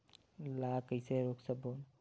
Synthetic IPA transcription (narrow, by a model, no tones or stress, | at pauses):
lakəjseɾoksəbon